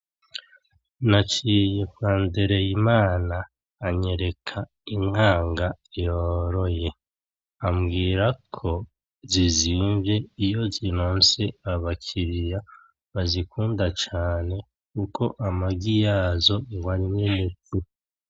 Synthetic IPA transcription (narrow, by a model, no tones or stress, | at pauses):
nat͡ʃijekwaːndeɾe̞jimaːnaː | ɲe̞ɾe̞kʰa | iŋ̥aːŋɡajoɾo̞je̞ | amɡiːɾakʰo̞ | ziziɱvje̞ijo̞zinoːnse̞aβakʰiɾija | βazikʰuːndat͡ʃaːne̞ | kukʰo̞ʔamaɡijazo̞waɾiɲeneti